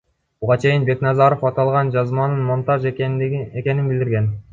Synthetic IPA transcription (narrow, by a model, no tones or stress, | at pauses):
buʁɑt͡ʃʰe̞jinbe̞knɑzɑɾo̞fɑt̪ɑlˠʁɑnd͡ʒɑzmɑnɯnmont̪ɑʒ | ekʲe̞ninbild̪ɪɾɡʲe̞n